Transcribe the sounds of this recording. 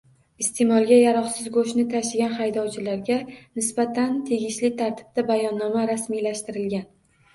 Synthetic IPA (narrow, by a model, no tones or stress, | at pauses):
ɪst̪ʰe̞mɒlˠɡʲajaɾɒχsɪzɡoʃnɪt̪ʰaʃɪɡʲanχajd̪ɒwt͡ʃʰɪlaɾɡʲanɪsbat̪ʰant̪ʰeɡʲɪʃlɪt̪ʰaɾt̪ʰɪ̥b̥̚d̪abajɒnːɒmaɾasmijlaʃt̪ɪɾɪlɡʲan